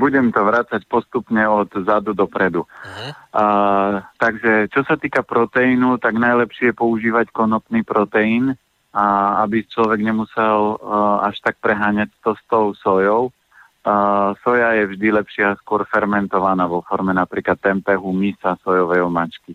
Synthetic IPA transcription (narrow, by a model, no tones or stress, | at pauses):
buɟɛmt̪ɔʋɾat͡sacpɔst̪upɲɛɔt̪zad̪ud̪ɔpɾɛd̪u | t̪aɡʒɛt͡ʃɔsat̪iːkapɾɔt̪ɛinut̪aɡnajlɛpʃɛjɛpɔuʒiːʋackɔnɔt̪niːpɾɔt̪ɛin | abit͡ʃlɔʋɛɡɲɛmusɛla̰ʃt̪ak̚pɾɛɦaːɲacst̪ɔst̪ɔʊsɔjɔʊ | sɔjajɛvʒd̪ilɛpʃɪaskʊɔɾfɛɾmɛnt̪ɔʋanaʋɔfɔɾmɛnapɾiːklat̪ːɛmpɛɦumisasɔjɔʋɛjɦɔmat͡ʃki